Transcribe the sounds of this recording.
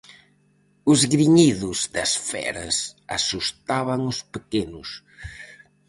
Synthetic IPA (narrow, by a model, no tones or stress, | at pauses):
ʊzɣɾiɲiðʊzd̪ɐsfɛ̰ɾɐ̰sa̰sust̪aβɐŋʊspekenʊs